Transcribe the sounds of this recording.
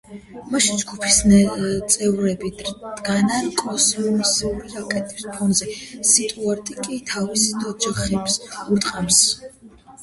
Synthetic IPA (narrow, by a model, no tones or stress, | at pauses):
maʃind͡ʒɡupʰist̪sʼɛvɾɛbid̪̥ɡanankʼɔsɛumisɛuɾiakʼɛt̪ʼispʰɔnzɛsit̪ʼuaɾt̪ʼikʼit̪ʰavisd̪ɔd͡ʒaχɛbsuɾt̪ʼqʼams